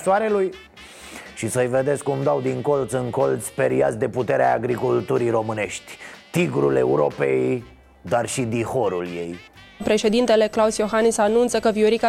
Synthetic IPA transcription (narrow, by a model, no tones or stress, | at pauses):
saɾeluj | ʃisəjve̞d̪esʲkumd̪awd̪iŋko̞lt̪sɨŋko̞lt̪sʲpeɾia̰t̪sʲd̪e̞put̪e̞ɾeaaɡɾikult̪uɾijɾo̞mɨne̞ʃt̪ʲt̪iɡɾule̞̰uɾo̞̰pḛj | d̪arʃid̪iho̞ɾulje̞̰j | pɾe̞ʃe̞d̪int̪e̞le̞klausjo̞xanisanunt̪səkəvioɾika